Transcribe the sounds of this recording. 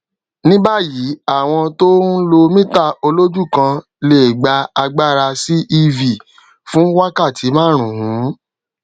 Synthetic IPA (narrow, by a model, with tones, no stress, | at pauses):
nĩ˦ba˦˨ji˨˦a˦˨w̃ɔ̃˧to˦lo˧mĩ˦ta˦˨o˧lo˦d͡ʒu˦˨kã˧ | le˦˨ɡ͡ba˧a˧ɡ͡ba˦ɾa˧si˦ʔi˧vi˨ | fũ˦wa˦ka˦˨tʰi˨˦mãː˦˨ɾ̃ũ˨hũ˨˦